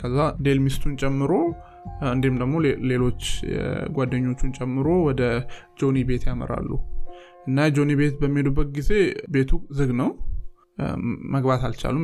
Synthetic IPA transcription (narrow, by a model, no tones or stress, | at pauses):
kʰəzːad̪e̞lmist̪ʰunt͡ʃʼɛmːɨɾo̞ | ɨnd̪emd̪əɡmo̞le̞lo̞t͡ʃːɡʷad̪ːəɲːo̞t͡ʃːunt͡ʃʼɛmːɨɾo̞wɔd̪ə | d͡ʒo̞nibe̞t̪jamə̰ɾa̰lːṵ | ʔɨnːad͡ʒonibe̞t̪bəmːied̪ubːək̪̚ʼɡize̞be̞t̪ʰuzɨɡnəw | məɡbat̪alt͡ʃa̰lːum